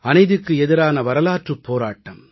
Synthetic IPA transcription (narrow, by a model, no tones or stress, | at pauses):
ɐnɐɪðɯkːɯɛðɪɾaːnɐʋɐɾɐlaːʈrɯpːoːɾaːʈːɐ̰m